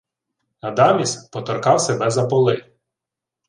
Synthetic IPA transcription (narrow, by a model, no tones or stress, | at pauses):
nɐd̪ɑmʲispɔt̪ɔrkɑwsebɛzɐpɔlˠɪ